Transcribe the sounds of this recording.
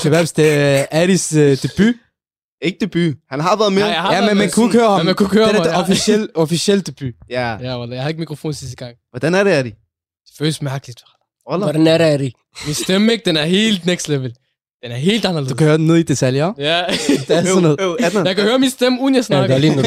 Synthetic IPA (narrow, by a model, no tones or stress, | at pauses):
t͡sʰeʋæɐsd̥eæɾisd̥eb̥y | d̥eeɡ̥̚d̥eb̥yhænɦɑʋɛɐðˠmeajæmenmænkʰuekhøːɐhɑmmænkʰuɡhøːɐenɐɔfiselɔfisiel̰d̥eb̥yjæjæʋɔljajhðˠeɡ̥mikʁofo̝̰ːnsistəɡ̥ɑ̈ŋ̰ʋɒd̥ænæɐɾeæɾi | d̥e̥fø̰ːləsmæɐɡ̥əlid̥fɒl | ʋɔlʋɔɾ̥ænæɐɾæɾi | misd̥emeɡ̥̚d̥enæɐɦe̝̰ːld̥neɡ̥sd̥leʋəl | d̥enæɐɦe̝̰ːld̥ɑnɐleðd̥̪ukʰhøːɐd̥enːe̝ðˠid̥et͡sʰæljɒjæd̥eɔnːoðˠdjakæhøːɐminsd̥emuðˠnjasneɐli